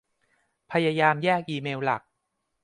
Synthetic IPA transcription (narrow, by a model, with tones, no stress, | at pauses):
pʰa˧jaː˧jaː˧mjɛː˥˩k̚ʔiː˧meː˧wla̰˨˩k̚